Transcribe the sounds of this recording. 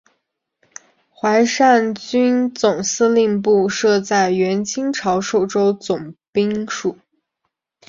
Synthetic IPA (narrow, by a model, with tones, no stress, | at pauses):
xwa˧˥ɪʂa˥˩nt͡ɕy˥nt͡sʊ˨˩ŋsɹ̩˥˧li˥˧ŋpu˥˧ʂɤ˥˧t͡sa˥˩ɪɥɛ˧˥nt͡ɕʰi˥ŋʈ͡ʂʰɑ˧˥ʊʂo˥˩ʊʈ͡ʂo˥ʊt͡sʊ˨˩ŋpi˥ŋʂu˨˩˦